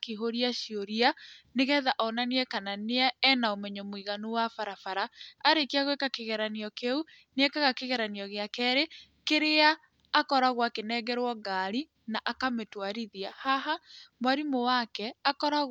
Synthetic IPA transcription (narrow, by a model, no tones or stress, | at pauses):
kiɦoɾiaʃioɾianeɣɛðaʔɔnaneɛkananeaɛnaomɛɲɔmwiɣanuwafaɾafaɾaːɾekiaɣwekakeɣɛɾaneɔkeu | nɛkaɣakeɣɛɾaniɔɣeakɛɾe | keɾeaː | kɔɾaɣwakenɛɣɛɾwɔɡaɾi | naʔakametwaɾiðiahaɦamwaɾimowakɛakɔɾa